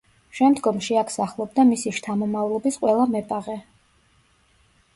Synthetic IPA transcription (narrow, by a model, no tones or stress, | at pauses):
ʃɛmd̪ɡɔmʃiakʰsaχlˠɔbd̪amisiʃt̪ʰamɔmavlˠɔbisqʼwɛlˠamɛpʼaʁɛ